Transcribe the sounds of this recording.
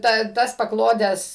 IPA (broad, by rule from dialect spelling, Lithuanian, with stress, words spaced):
ˈtɐ ˈtɐs pɐˈklˠoːdʲɛs